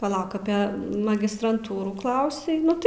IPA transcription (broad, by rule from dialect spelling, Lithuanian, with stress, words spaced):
pɐˈlˠɐʊk ɐpʲeː mɐɡʲɪstrɐnˈtuːruːˈklˠɐʊsʲɛɪ ˈnʊ tɐɪ